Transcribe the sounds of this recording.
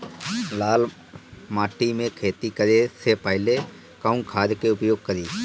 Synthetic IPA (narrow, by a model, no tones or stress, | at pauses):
laːl | maːʈimẽkʰeːt̪ikəɾesepəɦɪle | kaʊ̃ŋkʰaːɾkeʊpjoːɡ̚kəɾiː